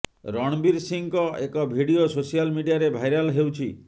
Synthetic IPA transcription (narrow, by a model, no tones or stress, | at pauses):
ɾɔɽ̃biɾsiŋkɔekɔbʱiɽiososijalmiɖijaɾebʱajɾalɦewt͡ʃʰi